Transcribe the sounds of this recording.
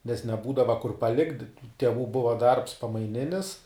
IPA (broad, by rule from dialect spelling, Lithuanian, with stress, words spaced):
nʲɛs nʲɛˈbuːdɐʋɐ kʊr pɐˈlʲɪktʲ tʲɛˈʋuː ˈbʊʋɐ dɐrps pɐmɐɪˈnʲɪnʲɪs